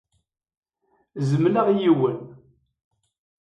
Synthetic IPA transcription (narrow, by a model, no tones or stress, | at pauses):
zəmnaʁijiwən